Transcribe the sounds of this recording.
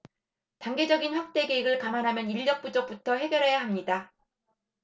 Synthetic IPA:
taŋɡe̞d͡ʑʌɡinɸwak̚t͈e̞ɡe̞iɡɯɭkamanɦamjʌniʎːʌk̚p͈ud͡ʑok̚putʰʌhe̞ɡjʌɾɦe̞jaɦamɲida

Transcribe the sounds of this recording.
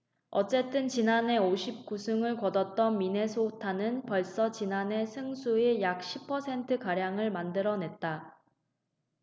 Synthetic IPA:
ʌt͡ɕ͈e̞t͈ɯnt͡ɕinane̞oɕʰip̚k͈usʰɯŋɯɭkʌdʌt̚t͈ʌnmine̞sʰotʰanɯnpʌɭs͈ʌt͡ɕinane̞sʰɯŋsʰuejak̚ɕʰipʰʌsʰe̞ntʰɯkaɾjaŋɯɭmandɯɾʌne̞t̚t͈a

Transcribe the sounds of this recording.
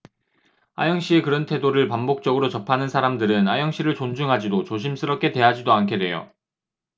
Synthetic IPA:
a̰jʌŋɕ͈ie̞kɯɾʌntʰe̞doɾɯɭpambok̚t͡ɕ͈ʌɡɯɾot͡ɕʌpʰanɯnsʰaɾamdɯɾɯnajʌŋɕ͈iɾɯɭt͡ɕond͡ʑuŋɦad͡ʑidot͡ɕoɕʰims͈ʰɯɾʌp̚k͈e̞twe̞ɦad͡ʑidoankʰe̞dwe̞jo̰

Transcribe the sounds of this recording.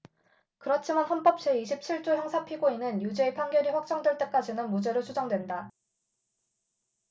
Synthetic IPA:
kɯɾʌt͡ɕʰimanɦʌnp͈ʌp̚t͡ɕ͈ʰeiɕʰip̚t͡ɕʰiɭt͡ɕ͈ujʌŋsʰapʰiɡoinɯnjud͡ʑe̞ːpʰaŋɡjʌɾiɸwak̚t͡ɕ͈ʌŋdwe̞ɭt͈e̞k͈ad͡ʑinɯnmud͡ʑe̞ɾot͡ɕʰud͡ʑʌŋdwe̞nda

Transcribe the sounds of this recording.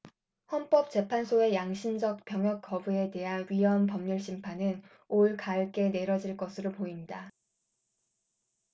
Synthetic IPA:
hʌnp͈ʌp̚t͡ɕ͈e̞pʰansʰoe̞jaŋɕʰimd͡ʑʌk̚p͈jʌŋjʌk͈ːʌbue̞te̞ɦanɥiʌnpʌmɲuɭɕʰimpʰanɯn | oɭkaɭk͈e̞ne̞ɾʌd͡ʑiɭk͈ʌsʰɯɾopoiɲda

